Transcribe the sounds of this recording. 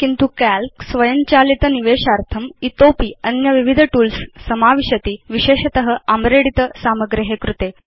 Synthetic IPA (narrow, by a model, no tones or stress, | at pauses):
kint̪ukælksʋəjəɲt͡ɕalit̪əniʋeɕaɾt̪ʰəmit̪opiːənjəʋiʋid̪ʱəʈuːlsːəmaʋiɕət̪iːʋiɕeɕɐt̪əɦəamɾeɽit̪əsaməɡɾiɦekɾut̪e